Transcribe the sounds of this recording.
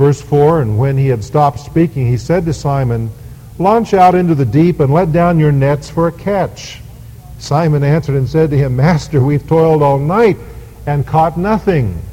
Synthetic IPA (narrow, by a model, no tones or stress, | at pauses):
vɜ˞sfɔɹɨ̃nwɨ̃niɨd̥stɑp̚tspikɪ̃ŋisɛd̚tɨsãɪ̃mɨ̃n | lɑ̃nt͡ʃaʊɾɪ̃ntʉðɨdipɨ̃nlɛt̚d̥ãʊ̃njə˞nɛtsfə˞ɨkʰæt͡ʃ | sãɪmɨ̃næ̃nsə˞ɾɨ̃nsɛd̚tɨɪ̃mːæstə˞wiv̥tʰɔɪlˠdɔlˠnaɪɾ | ɨ̃nkʰɔtⁿnʌθɪ̃ŋ